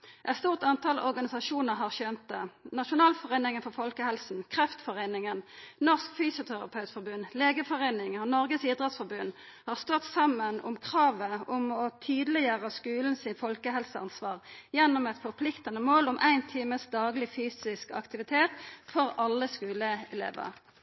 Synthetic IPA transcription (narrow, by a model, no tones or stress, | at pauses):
ʔɛt̪st̪uːʁt̪ɑnt̪ʰɑlʔɔ̰ʁɡɑnɪsɑʃuːnəʁɦɑʁɕøːnt̪̚d̪ɛnɑʃʊnɑːlfɔʁeːnɪŋənfɔʁfɔlkəhɛlsn̩kʰʁɛft̪fɔʁeːnɪŋənnɔʁskfyːsʊt̪ʰæʁɑ̰pʰœʉt̪fɔʁbʉnːleːɡəfɔʁeːnɪŋəɔnɔʁɡəsiːd̪ʁɛt̪sfɔʁbʉnː | hɑːʁst̪ɔt̪sɑmːənʊ̰mkʰʁɑːʋəʊmɔt̪ʰyːd̪əlɪjøːʁəskʉːln̩sɪnfɔlkəɦɛlsəɑ̰nsʋɑːʁjɛnːʊmɛt̪fɔʁpʰlɪkt̪ɑnəmoːlʊmʔæɪnt̪ʰiːməsd̪ɑːɡlɪfyːsɪskɑ̰kt̪ɪʋɪt̪ʰeːt̪fɔʁɑlːəskʉːləɛlḛːʋə̰ʁ